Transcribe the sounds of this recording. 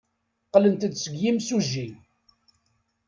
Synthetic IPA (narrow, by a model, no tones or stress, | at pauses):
qːlənt̪d̪səɡjimsuʒːi